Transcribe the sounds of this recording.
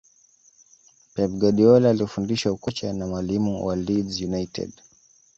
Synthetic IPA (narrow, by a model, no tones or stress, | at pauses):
pɛb̚ɡaɗiɔlaːlifundiʃaukɔt͡ʃanamwalimuwalidzjunajtɛ̰d